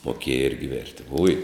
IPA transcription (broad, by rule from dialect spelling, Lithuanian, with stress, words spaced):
moːˈkʲeːjɛ ˈɪrʲɡʲɪ ˈʋʲeːrʲtʲɪ ʊj